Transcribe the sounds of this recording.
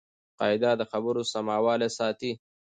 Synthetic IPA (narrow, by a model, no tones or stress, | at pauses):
qɑ̰ːjd̪ad̪əxabəɾosamɑːwɑːlesɑːt̪i